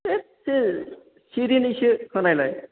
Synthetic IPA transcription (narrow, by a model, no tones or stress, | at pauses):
ese | siɾinisɯkʰɯnajlaj